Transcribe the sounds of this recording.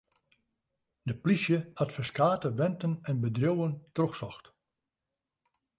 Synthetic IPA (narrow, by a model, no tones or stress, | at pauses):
dəplisjəhatfərskaːtəʋɛntənɛnbədrowəntroxsɔxt